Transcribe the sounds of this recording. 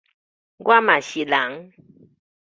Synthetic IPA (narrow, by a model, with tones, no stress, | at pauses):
ɡwa˦ma˨ɕi˨la˨˦ŋ